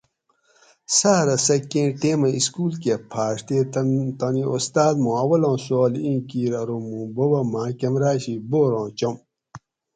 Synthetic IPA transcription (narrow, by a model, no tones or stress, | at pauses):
saːɾɐsɐkːẽːʈeːmɐiskuːlkepʰaːʂt̪eːt̪ɐnĩost̪aːd̪mõːɐwɐlõːsoːlĩːkiːɾɐɾomũbowɐmãːkɐmɾaːɕiboːɾõːt͡ɕom